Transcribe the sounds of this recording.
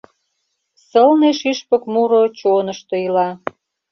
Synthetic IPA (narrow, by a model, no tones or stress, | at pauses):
səlneʃiʃpə̆kmuɾot͡ɕonəʃt̪oilɑ